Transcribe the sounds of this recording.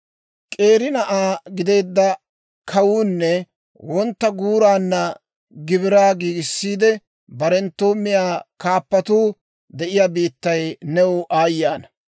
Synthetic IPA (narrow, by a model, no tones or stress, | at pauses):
kʼe̞ːɾɪnɐʔaːɡɪd̪e̞ːd̪ːɐ | kʰɐwuːnːɛ | wɔnt̪ːɐɡuːɾaːnːɐ | ɡɪbɪɾaːɡiːɡɪsːiːd̪ɛ | bɐɾɛnt̪ːoːmːɪjaːkaːpːɐt̪uː | d̪ɛʔɪjaːbiːt̪ːɐjnɛwʊʔaːjːaːnɐ